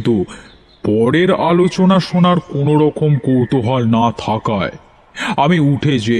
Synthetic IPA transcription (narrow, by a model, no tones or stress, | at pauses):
t̪u | pɔɽeɾalot͡ɕonaʃonaɾkonoɾɔkomkowt̪oɦaɾnat̪ʰakae | amiuʈʰed͡ʑe